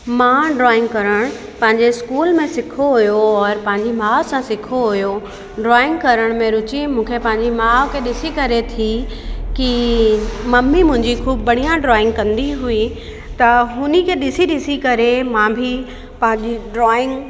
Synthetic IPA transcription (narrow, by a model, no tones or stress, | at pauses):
mãːɖɾɔːɪ̃ŋɡkɐɾəɽ̃ | pɐ̃ɦɪ̃ɲd͡ʑeskuːlmẽsɪkʰoɦujoɔɾpɐ̃ɦɪ̃ɲd͡ʑimaːsãsɪkʰoɦʊjo | ɖɾɔːɪ̃ŋɡkɐɾəɽ̃mẽɾʊt͡ɕimũːkʰepɐ̃ɦɪ̃ɲd͡ʑimaːkʰeɗɪsikɐɾet̪ʰiki | mɐmːimʊ̃ɦɪ̃ɲd͡ʑixʰuːbːɐɽ̤ijãɖɾɔːɪ̃ŋɡkɐ̃nd̪iɦui | t̪ɐɦʊnikʰeɗɪsiɗɪsikɐɾemãːbʱi | pɐ̃ɦɪ̃ɲd͡ʑiɖɾɔːɪ̃ŋɡ